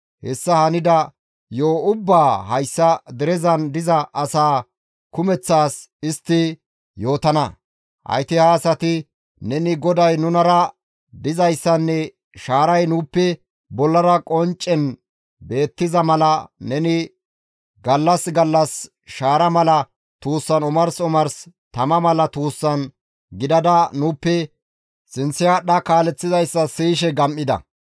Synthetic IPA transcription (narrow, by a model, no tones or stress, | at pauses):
hɛsːɐhɐnɪd̪ɐ | joːʊbːaːhɐjsːɐd̪ɛɾɛzɐnd̪ɪzɐʔɐsaː | kʊmɛt͡sːaːs | ɪst̪ːɪ | jo̞ːt̪ɐnɐ | ʔɐ̰jt̪ɪhaːsɐt̪ɪ | nɛnɪɡɔd̪ɐjnʊnɐɾɐ | d̪ɪzɐjsːɐnːɛ | ʃaːɾɐjnuːpːɛ | bɔlːɐɾɐkʼɔnt͡ʃʼːɛn | be̞ːt̪ːɪzɐmɐlɐnɛnɪ | ɡɐlːɐsɡɐlːɐs | ʃaːɾɐmɐlɐ | t̪uːsːɐnʊmɐɾsʊmɐɾs | t̪ɐmɐmɐlɐt̪uːsːɐn | ɡɪd̪ɐd̪ɐnuːpːɛ | sɪnsːɪjaɗɐkaːlɛt͡sːɪzɐjsːɐsiːʃɛɡɐmʔːɪd̪ɐ̰